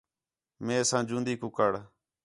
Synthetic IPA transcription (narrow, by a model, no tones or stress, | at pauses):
mẽːsãːd͡ʒũːnd̪iːkʊkəɽ